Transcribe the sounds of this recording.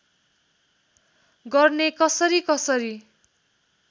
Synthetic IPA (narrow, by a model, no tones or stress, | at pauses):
ɡʌrnekʌsʌɾikʌsʌɾi